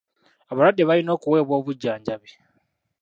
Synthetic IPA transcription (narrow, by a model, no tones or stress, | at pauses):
aβaɾadːeβalino̞ːkuwe̞ːβwo̞ːβuɟːaːɲɟaβe